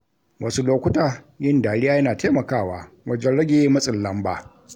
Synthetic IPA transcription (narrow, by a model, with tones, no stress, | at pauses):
wʔɐ˦su˦loː˦kʷʊ˦taː˨ | jɪ˦ndaː˨ɽɪ˦jaː˦jɐ˦naː˨teː˦mɐ˨kaː˦˨waː˨ | wɐ˦d͡ʒɛ˦nɽɐ˦ɡʲe˨je˦mɐ˦sʼɪ˨lːɐ˦mba̰ː˨